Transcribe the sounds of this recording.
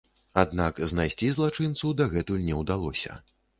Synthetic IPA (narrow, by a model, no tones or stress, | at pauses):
ad̪nakznajsʲt͡sʲizlˠat͡ʂɨnt̪sud̪aɣɛt̪ulʲnʲɛwd̪alˠɔsʲɐ̰